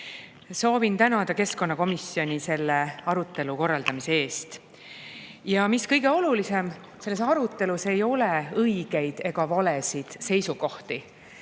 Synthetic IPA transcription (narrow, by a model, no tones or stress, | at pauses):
so̞ːvint̪ænɑd̪̥ɑke̞sko̞nːɑko̞misːjo̞nʲise̞lːe̞ɑɾut̪ˑːe̞luko̞rːɑld̪ɑmisee̞ːst̪ | jɑmiskɤjɡe̞o̞lulise̞m | se̞lːe̞sɑɾut̪ːˑe̞luse̞jo̞leɤjɡ̥e̞jd̪̥e̞ɡɑvɑlesid̪̥se̞jsuɡo̞ht̪i